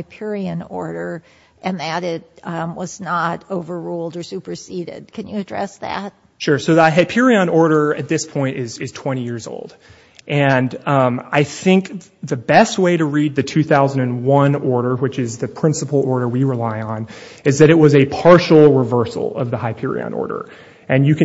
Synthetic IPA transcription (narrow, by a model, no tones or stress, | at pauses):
aɪpʰɪɹiɨ̃nɔ̰ɹɾə˞ | ʔɨ̃nðɨɾɪt̚wʌznəɾoʊvə˞ɹulˠdə˞sʉpə˞siɾɪ̰d̥̚kʰɨ̃njɨɨdɹɛ̰sðæ̰t̚ | ʃʊɹsoʊðɨaɦaɪpʰɪɹiə̃nɔɹɾə˞ɨ̰t̪̚ðɪspʰɔ̃ɪ̃ntɪz̥ɪz̥tʰw̥ɛ̃ɾ̃ijɪɹzo̰ʊlˠd̥ | ʔɨ̃nʌ̃ma̰ɪθɪ̃ŋk | ðɨbɛst̚weɪɾɨɹid̪̚ðɨtʰʉθaʊz̃n̩dɨ̃nwʌ̃nɔɹɾə˞wɨt͡ʃɪzðɨpʰɹ̥ɪ̃nsəpl̩ˠɔɹɾə˞wiɹɨlaɪə̃nɨzðɨɾɨt̚wʌzɨpʰɑɹʃl̩ˠɹɪvɜ˞sl̩ˠʌ̰vðəhaɪpʰɪ̰ɹḭə̰̃nɔ̰ɹɾə̰˞ | ʔɨ̃njɨkʰ